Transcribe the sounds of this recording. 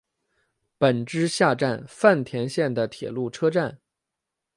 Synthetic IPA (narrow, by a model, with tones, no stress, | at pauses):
pə˨˩nʈ͡ʂɻ̩˥ɕja˥˧ʈ͡ʂa˥˧nfa˥˩nt̪ʰjɛ˧˥nɕjɛ˥˩nd̪ə˩t̪ʰjɛ̰˨˩lu˥˩ʈ͡ʂʰɤ˥ʈ͡ʂa˥˩n